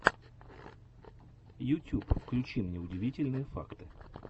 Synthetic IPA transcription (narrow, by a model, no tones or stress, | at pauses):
jʊtʲupfklʲʊt͡ɕimnʲɛʊdʲɪʋʲitʲɪlʲnɨjəfa̰kt̪ɨ̥